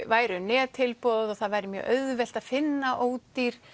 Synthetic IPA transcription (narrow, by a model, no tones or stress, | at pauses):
vaːjɾʏnɛːt̪ʰɪlpɔwðɔθaðvaːjɾɪmjœ̰ʔœɥðvɛl̥t̪aðfɪnːaʔoːwt̪iɾ̥